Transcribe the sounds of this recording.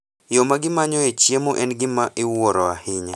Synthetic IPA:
jomaɡɪmaɲɔet͡ʃjemoʔɛnɡɪmaʔɪwɔɾɔahɪɲa

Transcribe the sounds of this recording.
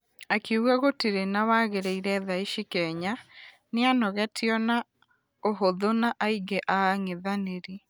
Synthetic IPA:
akiuɣaɣotiɾenawaɣeɾeiɾɛðaiʃikɛɲa | neanɔɣɛtʰiɔna | oɦoðonaʔaiɡeʔaːŋeðaneɾi

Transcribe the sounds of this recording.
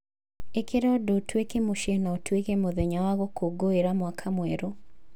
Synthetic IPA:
ekeɾɔdotʰwekemoʃenaotwekemoðeɲawaɣokʰoɡoeɾamwakʰamwɛɾo

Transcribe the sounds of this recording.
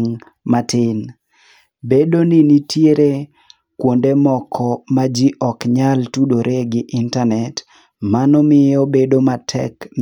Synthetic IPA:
ŋ | matɪn | bedoninitʰjeɾe | kwondemɔkʰɔmad͡ʒiʔɔkɲaltudoɾʔeɡɪʔɪntanɛt | manɔmɪjɔbedomatʰɛ̰km

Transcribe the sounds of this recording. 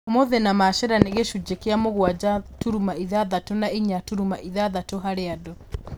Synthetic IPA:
moðenamaʃɛɾaneɣeʃud͡ʒekeamoɣwad͡ʒatuɾumaiðaðatonaiɲatuɾumaʔiðaðatoɦaɾeadɔ

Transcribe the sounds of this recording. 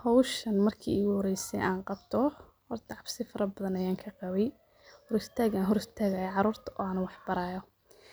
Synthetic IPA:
hɔwʃɐnmɐrkʰḭːɪɣʊhɔɾɛjsɛ̰jʔaːnqɑbt̪ʰɔ | hɔrt̪ʰɐʕɑbsɪfɐɾɐbɐðɐnɐjaːŋkʰɐqɑβɛj | hɔɾɪst̪ʰaːɡaːnɦɔɾɪst̪ʰaːɣaːjɐʕɑɾuːrt̪ʰɐʔɔ̰ːanʊwɑħbɐɾaːjɔ

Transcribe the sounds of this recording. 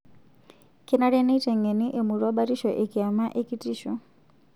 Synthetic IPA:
kinaɾɛnitɛŋɛniʔemuɾɔɓatiʃɔʔikiamaʔikitiʃɔ

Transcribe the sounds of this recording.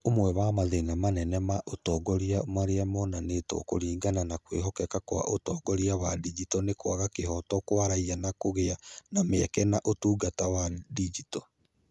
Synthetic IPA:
omwɛwamaðenamanɛnɛmaʔotɔːɡɔɾiamaɾeamɔnanetɔ̰ko̰ɾiːŋɡananakwḛɦɔkɛkakowa̰ʔotɔɡɔɾiawadid͡ʒitɔnekwaɣakeɦɔtɔkwaɾaianakoɣeanameakɛnaʔotuːɡatawadid͡ʒitɔ̥

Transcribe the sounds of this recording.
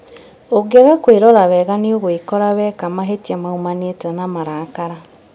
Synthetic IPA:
oɡeɣakweɾɔɾaβɛɣaneoɣoikɔɾawɛkamaɦetiamaumanetɛnamaɾaːkaɾa

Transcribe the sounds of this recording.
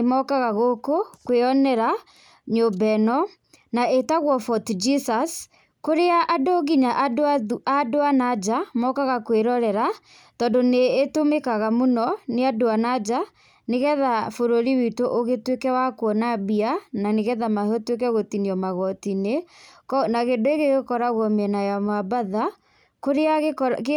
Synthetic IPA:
mɔkaɣaɣokokweɔnɛɾa | ɲobɛnɔ | naʔetaɣwɔfɔtd͡ʒisas | koɾeaʔːdoɣiɲaʔadadoanad͡ʒamɔkaɣakweɾɔɾɛɾa | tɔːndoneːtomekaɣamonɔneadoanad͡ʒa | neɣɛðafoɾoɾiwitoʔoɣetwekɛwakwɔnabiananeɣɛðamahɔtwek̬ɛɣotiniɔmaɣɔtineknaɣendoeɣeɣekɔɾaɣwɔmɛnajamwabaða | koɾea

